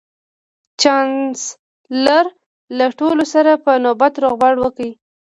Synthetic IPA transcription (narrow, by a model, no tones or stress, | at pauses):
t͡ʃɑns | laɾ | laʈolosaɾapənobat̪ɾoɣbaɽwəkəwi